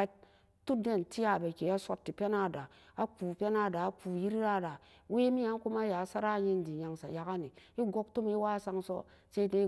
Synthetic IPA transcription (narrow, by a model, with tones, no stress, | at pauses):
a˦t̚ | tu˦de˦nti˦ja˨be˨ke˨˦a˦sʷo˦tːi˨pʲe˦na˦˨da˨ | a˦k͡pu˨pʲe˦na˦˨da˨a˦k͡pu˨ji˦ɾi˦ɾa˦˨da˨ | we˦mi˦ja˨˦n˦ku˦ma˦ja˨˦sa˦ɾa˦ji˦n˦di˨ɲa˨ŋsa̰˨ja˨ka˦ni˨i˦ɡo˦k̚tu˦mi˦wa˦sa˦ŋso̰˦ | se˦de˦